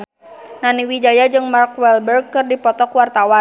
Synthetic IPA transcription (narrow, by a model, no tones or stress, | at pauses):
naniwid͡ʒajad͡ʒɨŋmarkwɛlbərɡ̚kːɨrdipɔt̪ɔkwart̪awa